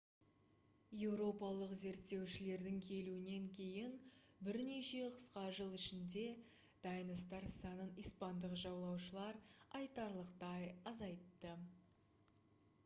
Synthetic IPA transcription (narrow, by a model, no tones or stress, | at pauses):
je̞wɾo̞pɑlˠəqze̞ɾt̪ːe̞wʃɪle̞ɾd̪ɪŋkʲʰe̞luɪne̞ŋkʲʰe̞jɪn | bɪɾne̞ʃe̞qʰə̥sqɑʒəlˠɪʃɪnd̪e̞ | d̪̥ɑjənəst̪ɑɾsɑnənijspɑnd̪əqʒɑwlˠɑwʃəlˠɑɾɑjt̪ɑɾlˠəqt̪ɑjɑzɑjt̪ːə